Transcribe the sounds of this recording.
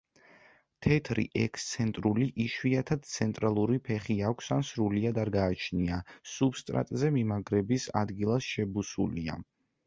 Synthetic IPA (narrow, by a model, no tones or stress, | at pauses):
t̪ʰɛt̪ʰɾḭʔɛkʰst̪sʰɛnt̪ʼɾuliʔiʃwiat̪ʰad̪̥̚t̪sʰɛnt̪ʼɾalˠuɾipʰɛχiakʷʰsansɾuliad̪aɾɡaːt͡ʃʰniasubst̪ʼɾa̰t̪ʼzɛmimaɡɾɛbisa̰d̪ɡilˠasʃɛbusulia̰